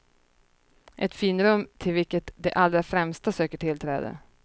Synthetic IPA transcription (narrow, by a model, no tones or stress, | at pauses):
ʔɛt̪fiːnɾɵmːt̪ʰɪlvɪlkət̪d̪ɛʔalɾafɾɛmst̪asøːkəʈʰɪlt̪ʰɾɛ̰ːd̪ə̰